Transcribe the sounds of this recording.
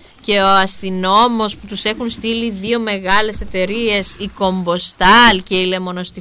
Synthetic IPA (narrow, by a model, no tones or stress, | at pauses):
ce̞o̞ɐst̪ino̞mo̞sput̪use̞xunst̪iliðio̞me̞ɣɐle̞se̞t̪e̞ɾie̞siko̞mbo̞st̪ɐlce̞ile̞mo̞no̞st̪i